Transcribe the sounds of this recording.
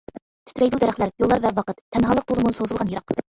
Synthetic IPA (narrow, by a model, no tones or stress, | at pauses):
t̪ʰɪ̥t̪ɾɛjd̪ud̪æɾæχlæɾjolˠːɑɾvɛwɑqət̪ːʰɛnɦɑːlˠəq̚t̪olˠəmunɨsozɨlˠʁɑnjəɾɑq